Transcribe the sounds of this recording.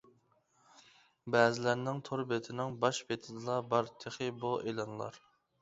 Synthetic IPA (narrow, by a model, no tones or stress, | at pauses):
bɛːzɪlæɾnɪŋt̪ʰoɾbet̪ʰɪnɪŋbɑʃbet̪ʰɪd̪ɨlˠɑbɑɾt̪ʰeχɪbuʔelˠɑnlˠɑ̰ɾ